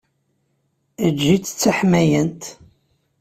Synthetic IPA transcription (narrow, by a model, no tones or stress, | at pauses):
əd͡ʒːit͡sːə̥t͡sːaħmæjənt̪